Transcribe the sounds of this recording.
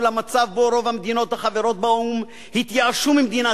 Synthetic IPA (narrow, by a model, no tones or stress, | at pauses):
lamat͡savboɾo̞vamed̪ino̞t̪haχaveɾo̞t̪̚baum | hit̪jaaʃumimd̪ina